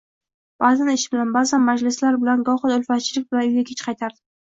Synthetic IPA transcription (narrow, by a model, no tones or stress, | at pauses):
b̥azanɪʃɪbɪlanbazanmad͡ʒlɪslaɾbɪlanɡɒhɨd̪ʊlfat̪t͡ʃʰɪlɪk̚ʲbaʊjɡʲakʲʰet͡ʃqʰɑjt̪ʰaɾd̪ɪ